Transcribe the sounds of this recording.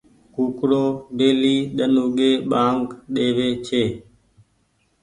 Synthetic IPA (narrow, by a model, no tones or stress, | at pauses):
kukɾodeliɗanuɡeɓaŋkɗeβet͡ʃe